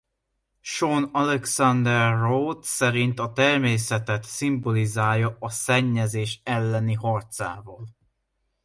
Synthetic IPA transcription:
ʃonɒlɛksɒnd̪ɛrːoːt̪sɛɾint̪ɒt̪ɛrmeːsɛt̪ɛt̪simbo̞lizaːljɒɒsɛɲːɛzeːʃɛlːɛniɦɒrt̪sa̰ːvɒːl

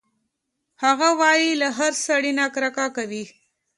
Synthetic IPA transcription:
haɣawɑjilaɦaɾsaɽinakɾakakawi

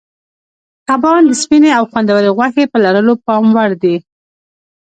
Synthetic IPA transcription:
t̪abɑnd̪əspineawxwand̪awəɾeɣwaxepəlaɾəlopɑmwaɾd̪i

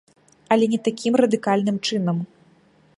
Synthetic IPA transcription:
ɐlʲɛnʲɛt̪akʲʰimrɐd̪ɨkalʲnɨmt͡ʂɨnɐm

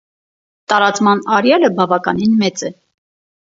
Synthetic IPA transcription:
t̪ɑɾɑt͡smɑnɑɾjɑləbɑvɑkɑninmɛt͡sɛ

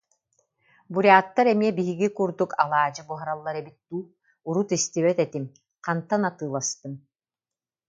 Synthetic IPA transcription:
buɾʲaːt̪ːaɾɛmiɛbiɦiɡikuɾd̪ukʰalˠaːd͡ʑɯbuɦaɾalˠːaɾɛbit̪̚ːuː | uɾut̪ist̪iβɛt̪ɛt̪im | qant̪anat̪ɯːlˠast̪ɯm

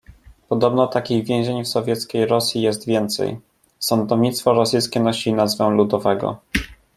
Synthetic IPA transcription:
pɔd̪ɔbnɔt̪akʲiɣvʲjɛ̃w̃ʑeɲfsɔvʲjɛt̪skʲejɾɔsʲjijɛst̪vʲjɛnt̪sɛ̰j | sɔnd̪ɔvɲit̪st̪fɔɾɔsɘjskʲɛnɔɕinazvɛ̃lud̪ɔvɛɡɔ̰

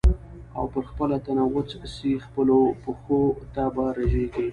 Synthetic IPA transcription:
a̰wpəɾxpəlat̪anawət͡ssixpəlopəxot̪abaɾaʒeɡi

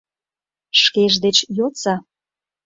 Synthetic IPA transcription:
ʃkeʒd̪et͡ɕjot͡sɑ

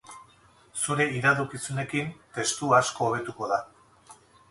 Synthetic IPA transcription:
suɾe̞iðaðukisune̞kint̪e̞st̪uasko̞ːβ̞e̞t̪uko̞ða

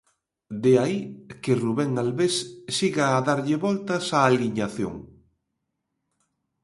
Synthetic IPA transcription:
d̪eaikeruβɛŋalβesːiɣaːðaɾʎɪβɔlt̪ɐsaːliɲaθjo̰ŋ

